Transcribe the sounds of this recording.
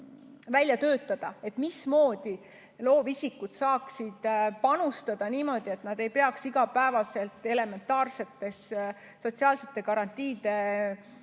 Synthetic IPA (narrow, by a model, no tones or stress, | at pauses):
vælʲjɑt̪ø̞ːt̪ːˑɑd̪̥ɑe̞t̪ˑmismo̞ːd̪̥i | lo̞ːvisʲikːut̪sɑːksid̪̥pɑnust̪ɑd̪̥ɑniːmo̞d̪̥ie̞t̪nɑd̪̥e̞jpe̞ɑksiɡ̥ɑpæevɑse̞lt̪ːˑe̞le̞me̞nt̪ːˑɑːrse̞t̪ːe̞s | so̞tsiɑːlse̞̥t̪ːˑe̞kɑɾɑnt̪ʲːˑiːd̪̥e̞